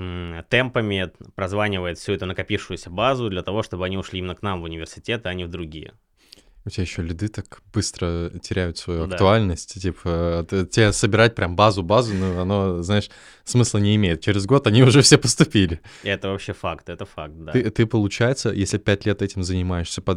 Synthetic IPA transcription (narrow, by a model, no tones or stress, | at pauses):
t̪ɛmpəmʲɪpɾɐzvanʲɪvəjɪt̪fsʲʊɛt̪ʊnəkɐpʲifʂʊjʊsʲəbazʊd̪lʲət̪ɐvo̞ʂt̪o̞bɨɐnʲiʊʂlʲiimʲɪnəknamvʊnʲɪvʲɪrsʲɪ̥tʲe̞t̪ɨɐnʲivd̪ɾʊɡʲijə̰ | ʊtʲɪbʲajɪɕːolʲʊd̪ɨt̪akbɨst̪ɾətʲɪɾʲæjʊt̪svɐjuɐd̪kt̪ʊalʲnəsʲtʲtʲipʰət̪tʲasəbʲɪɾat̚ʲpɾʲʔambazʊbazʊnoɐno̞znaɪʂ | smɨslˠənʲɪːmʲejɪt̪̚t͡ɕɪɾʲɪzɡo̞t̪ɐnʲiʊʐɛfsʲepəst̪ʊpʲilʲɪɛt̪əvɐpɕːefakt̪ɛt̪əfak̚t̪̚d̪aɨt̪ɨpəlˠʊt͡ɕæjɪt̪sə̰jesʲlʲɪpʲætʲlʲet̪ɛtʲɪmzənʲɪmajɪʂsʲəpɐd̪